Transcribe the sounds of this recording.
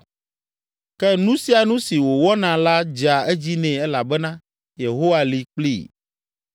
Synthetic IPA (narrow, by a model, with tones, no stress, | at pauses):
kɛ˦nũ˦si˦a˨nũ˦si˨wo˨wɔ˦nã˨la˦d͡ʒa˨ɛ˦d͡ʑi˦nɛ̃˨ɛ˦la˨bɛ˦nã˦ | je˨ɦo˦wa˦li˨k͡plḭ˦˨